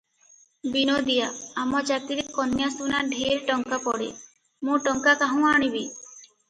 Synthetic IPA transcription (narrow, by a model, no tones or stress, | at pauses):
binod̪ijaːmɔd͡ʒat̪iɾekɔnjasunaɖʱeɾʈɔŋkapɔɽḛ | mũʈɔŋkakaɦũaɽ̃ibi